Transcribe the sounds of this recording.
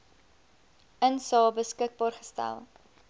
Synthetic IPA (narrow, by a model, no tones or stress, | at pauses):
ənsɑːbəskək̚bɑːrχə̥stæ̰lˠ